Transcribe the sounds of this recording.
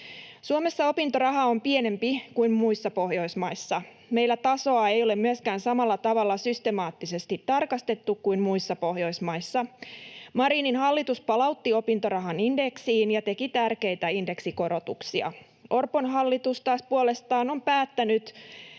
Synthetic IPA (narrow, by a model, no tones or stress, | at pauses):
suome̞sːɑo̞pint̪orɑɦɑo̞mpiene̞mpikuimmuisːɑpohjo̞jsmɑjsːɑ | me̞jlːˑæt̪ɑso̞ɑejo̞lemmyøskæːnsɑmɑlːɑt̪ɑʋɑlːɑsyst̪emɑːt̪ːise̞st̪it̪ːɑrkɑst̪e̞t̪ːukkuimmuisːɑpo̞hjo̞jsmɑjsːɑmɑɾiːninɦɑlːit̪uspɑlɑut̪ːio̞pint̪orɑɦɑninde̞ksiːnjɑt̪e̞kit̪ærke̞jt̪æinde̞ksiko̞ɾo̞t̪ṵksiɑ̰ | ʔo̞rponɦɑlːit̪ust̪ɑːspuole̞st̪ɑːno̞mpæːt̪ːænyt̪